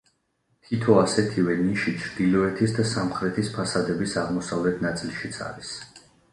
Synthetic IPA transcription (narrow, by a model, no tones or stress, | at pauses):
t̪ʰit̪ʰɔasɛt̪ʰivɛniʃit͡ʃʰɾd̪ilɔɛt̪ʰisd̪asamχɾɛt̪ʰispʰasad̪ɛbisaʁmɔsavlɛt̪ʰnat̪sʼilˠʃit̪sʰa̰ɾis